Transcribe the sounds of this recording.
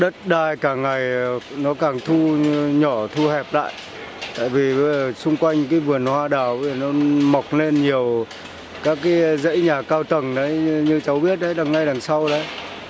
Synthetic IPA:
ɗə˦˥t̚ɗaː˧˩jkaː˧˩ŋːa˨˩jnɔ˨˦kaː˧˨˩ŋt̪ʰu˧ɲɔ˧˩t̪ʰu˧hɛ˨˩p̚la̰ː˧˨jʔ | t̪a̰ː˧˨jvi˨˩ɓsʊ˧ŋ͡mkwa˧jŋ̟kaː˨˦jvɨ˨˩ənhwaː˧ɗaː˨˩wə˨˩nɔ˨˦mɔ˨˩wk͡p̚le˧nɲi˨˩əw | kaː˦˥kːaː˨˦jzə̰˧˥jɲaː˨˩kaː˧wt̪ə˨˩ŋɗə˨˦jɲɨ˧t͡ɕə˨˦wɓi˦˥ət̚ɗə˨˦ɗa˨˩ŋːa˧˩jla˨˩ŋsa˧wɗə˨˦j

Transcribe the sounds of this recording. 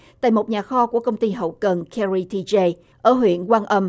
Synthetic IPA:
t̪a̰ː˧˨jmo˨˩t̚ɲaː˨˩xɔ˧ku˧˩əkə˧wŋ͡mt̪i˧ɦə̰˧˨wkə˨˩nkʰɛ˧ɹi˧t̪i˧ze˧ | ʔəː˧˩ɦwḭ˧˨ənkwaː˧nʔə˧m

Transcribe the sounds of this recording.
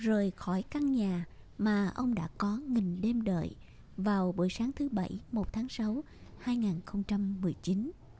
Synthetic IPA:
zəː˨˩jxɔ˧˩jka˧ŋɲaː˨˩maː˨˩ʔə˧wŋ͡mɗa̰ː˧˥kɔ˨˦ŋï˨˩ŋ̟ɗe˧mɗə̰ː˧˨j | vaː˨˩wɓṵ˧˩jsaː˨˦ŋt̪ʰɨ˨˦ɓə̰˧˩jmo˨˩t̚t̪ʰaː˨˦ŋsa˨˦w | haː˧jŋaː˨˩nxə˧wŋ͡mt͡ɕa˧mːɨ˨˩əjt͡ɕi˨˦n

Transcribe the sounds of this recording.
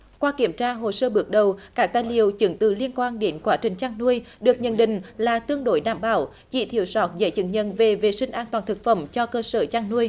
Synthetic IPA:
kwaː˧ki˧˩əmt͡ɕaː˧ɦo˨˩səː˧ɓɨ˨˦ək̚ɗə˨˩wkaː˦˥k̚t̪aː˧˨jlḭ˨əwt͡ɕɨ˨˦ŋt̪ɨ˧˨˩li˧ənkwaː˧nɗe˨˦nkwaː˨˦˥t͡ɕï˨˩ŋ̟t͡ɕaː˧ŋnu˧əjɗɨ˨˩ək̚ɲə̰˧˨nɗḭ̈˧˨ŋ̟laː˨˩t̪ɨ˧əŋɗo˧˦jɗaː˧˩mɓa̰ː˧˩w | t͡ɕḭ˧˩˥t̪ʰi˧˨əwsɔ˨˦˥t̚zə̰˧˥t͡ɕɨ˧˦ŋ̚ɲə̰˧˨nve˨˩ve˨˩sï˧ŋ̟ʔaː˧nt̪waː˨˩nt̪ʰɨ˨˩k̚fə̰˧˩mt͡ɕɔ˧kəː˧səː˧˩t͡ɕaː˧ŋnu˧əj

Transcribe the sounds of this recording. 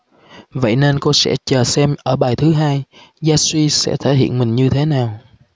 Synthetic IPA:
və̰˧˨jne˧nko˧sɛ̰˧˥t͡ɕəː˨˩sɛ˧mʔəː˧˩ɓaː˨˩jt̪ʰɨ˨˦ɦaː˧j | zaː˧swi˧sɛ̰˧˥t̪ʰe˧˩hḭ˧˨ənmï˨˩ŋ̟ɲɨ˧t̪ʰe˨˦naː˨˩w

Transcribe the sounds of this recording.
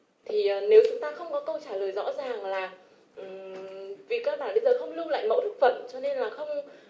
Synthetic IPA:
t̪ʰi˨˩əː˨˩ne˨˦wt͡ɕʊ˨˦ŋ͡mt̪aː˧xə˧wŋ͡mkɔ˨˦kə˧wt͡ɕaː˧˩ləː˨˩jzɔ̰˧˥zaː˨˩ŋlaː˨˩ | ʔɨ˨˩vi˨˩kaː˦˧k̚ɓaː˧˩nɓə˧jzəː˨˩xə˧wŋ͡mlɨ˧əŋla̰ː˧˨jmə̰˧˥wt̪ʰɨ˦˥k̚fə˨˩mt͡ɕɔ˧ne˧nlaː˨˩xə˧wŋ͡m

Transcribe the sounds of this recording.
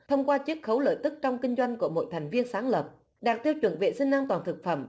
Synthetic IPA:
t̪ʰə˧wŋ͡mkwaː˧t͡ɕɨ˦˥k̚xə˨˦wlə̰ː˧˨jt̪ɨ˦˥k̚t͡ɕɔ˧wŋ͡mkï˧ŋzwa˧jŋ̟ku˧˩əmo̰˧˨jt̪ʰjŋ̟vi˧ənsaː˨˦ŋlə˨˩p̚ | ɗaː˨˩k̚t̪ʰi˧əwt͡ɕwə̰˧˩nvḛ˧˨sï˧ŋ̟naː˧mt̪waː˨˩nt̪ʰɨ˨˩k̚fə̰˧˩m

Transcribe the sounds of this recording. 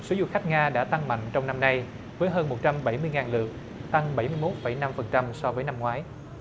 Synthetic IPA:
so˨˦zʊ̰˧˨xa˦˥k̚ŋaː˧ɗa̰ː˧˥t̪a˧ŋma̰˧˨jŋ̟t͡ɕɔ˧wŋ͡mna˧mna˧j | vəː˨˦jɦəː˧nmo˨˩t̚t͡ɕa˧mɓa˧˩jmɨ˧əjŋaː˨˩nlɨ˨˩ək̚ | t̪a˧ŋɓa˧˩jmɨ˧əjmo˦˥t̚fə˧˩jna˧mfə˨˩nt͡ɕa˧msɔ˧vəː˨˦jna˧mŋwaː˨˦j

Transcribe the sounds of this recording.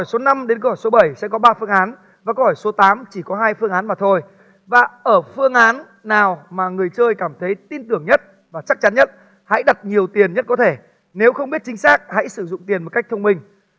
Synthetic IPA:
ɔ˧˩jso˨˦na˧mɗe˨˦nko˧hɔ˧˩jso˨˦ɓə˧˩jsɛ̰˧˥kɔ˨˦ɓaː˧fɨ˧əŋʔaː˨˦n | vaː˨˩ko˧whɔ˧˩jso˨˦t̪aː˨˦mt͡ɕi˧˩kɔ˨˦ɦaː˧jfɨ˧əŋʔaː˨˦nmaː˨˩t̪ʰo˧j | vaː˨˩ʔəː˧˩fɨ˧əŋʔaː˨˦nː | aː˨˩wmaː˨˩ŋɨ˨˩əjt͡ɕəː˧jkaː˧˩mt̪ʰə˨˦jt̪i˧nt̪ɨ˨˩əŋɲə˦˥t̚ | vaː˨˩t͡ɕa˦˥k̚t͡ɕa˨˦nɲə˦˥t̚ | ha̰˧˥jɗa˨˩t̚ɲi˨˩əwt̪i˨˩ənɲə˦˥t̚kɔ˨˦t̪ʰe˧˩ | ne˨˦wxə˧wŋ͡mɓi˦˥t̚t͡ɕï˨˦ŋ̟saː˦˥k̚ha̰˧˥jsɨ˧˩zʊ̰˧˨ŋ͡mt̪i˨˩nmo˨˩t̚ka˦˥k̚t̪ʰə˧wŋ͡mmï˧ŋ̟

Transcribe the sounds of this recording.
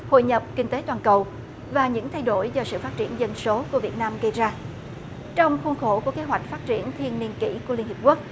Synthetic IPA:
ho̰˧˨jɲə˨˩p̚kï˧ŋt̪e˨˦t̪waː˨˩nkə˨˩w | vaː˨˩ɲɨ̰˧˥ŋt̪ʰa˧jɗo˧˩jzɔ˧sɨ̰˧˨faː˦˥t̚t͡ɕḭ˧˩ənzə˧nso˨˦ku˧˩əvi˨˩ət̚naː˧mɣə˧jzaː˧ | t͡ɕɔ˧wŋ͡mxu˧nxo˧˩ku˧˩əke˨˦ɦwa˨˩jk̟̚faː˦˥t̚t͡ɕi˧˩˨ənt̪ʰi˧ənːi˧ənkḭ˧˥ku˧əli˧ənhi˨˩p̚ku˦˥ək̚

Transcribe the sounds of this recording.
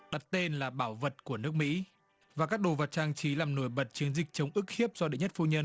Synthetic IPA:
ɗa˨˩t̚t̪e˧nlaː˨˩ɓaː˧˩wvə˨˩t̚ku˧˩ənɨ˦˥ək̚mḭ˧˥ | vaː˨˩kaː˦˥k̚ɗo˨˩və˨˩t̚t͡ɕaː˧ŋt͡ɕi˨˦laː˨˩mno˧˩jɓə˨˩t̚t͡ɕɨ˨˦əŋzï˨˩k̚t͡ɕə˨˦wŋ͡mʔɨ˦˥k̚hi˦˥əp̚zɔ˧ɗḛ˧˨ɲə˦˥t̚fu˧ɲə˧n

